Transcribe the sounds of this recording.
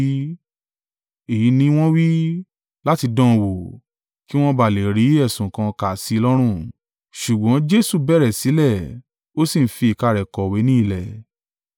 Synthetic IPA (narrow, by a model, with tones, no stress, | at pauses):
e˨ji˨˦nĩ˧˦w̃ɔ̃˦wi˦ | la˦ti˧dã˦˨wo˨ | ki˦w̃ɔ̃˦ba˨le˨ɾi˨˦ɛ˦˨sũ˨kã˧ka˨si˨˦˧lɔ˦ɾ̃ũ˦˨ | ʃu˨ɡ͡bɔ̃˨˦d͡ʒe˦su˦˨bɛ˦˨ɾɛ˨si˨˦lɛ˦˨ | o˦sĩ˦˨n̩˦fi˧i˨ka˧˨ɾɛ˨kɔ˨we˨˦nĩ˦i˧˨lɛ˨